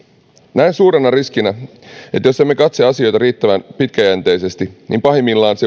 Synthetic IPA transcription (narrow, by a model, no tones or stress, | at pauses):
næinsuːɾenɑriskinæ | e̞t̪josemːekɑt̪seɑsio̞jt̪ɑɾiːt̪ːæʋænpit̪kæjænt̪e̞jse̞st̪inʔḭmpɑɦemːilːɑːnse